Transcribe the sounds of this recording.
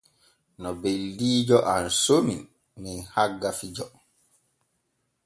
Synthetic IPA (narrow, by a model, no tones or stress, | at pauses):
nɔbeldiːd͡ʒɔʔansomin | minhaɡːafid͡ʒɔ